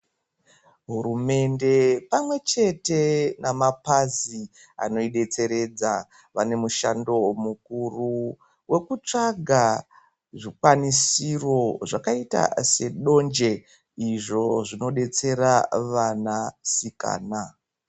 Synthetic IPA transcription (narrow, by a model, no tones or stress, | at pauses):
ɦuɾume̞nde̞pamwe̞t͡ʃe̞te̞namapazi | a̰no̞iɗe̞t͡se̞ɾe̞d͡za | ʋane̞muʃando̞mukuru | wʔe̞kut͡ʂaɡʱa | ʐikwanisiro̞ʐakaita̰se̞ɗo̞nd͡ʒe̞ | iʐo̞ʐino̞ɗe̞t͡se̞ɾaʋanasika̰ːna